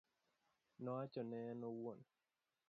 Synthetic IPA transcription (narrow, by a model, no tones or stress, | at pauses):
nɔat͡ʃɔnɛnɔwon